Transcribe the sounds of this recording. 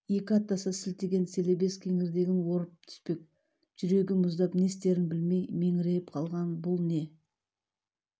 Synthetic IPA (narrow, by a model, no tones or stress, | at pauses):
je̞kʲɪɑt̪ːɑsɑsɪlt̪eɡʲe̞nse̞lebe̞skʲʰe̞ŋɪɾd̪e̞ɡʲɪnwo̞ɾəp̚t̪ʰʏ̥spe̞k̚ | ʒ̥ʏɾe̞ɡʲɪmʊzd̪ɑpne̞st̪e̞ɾɪnbɪlme̞jme̞ŋɪɾe̞jɪpqʰɑlˠʁɑnbʊlˠne̞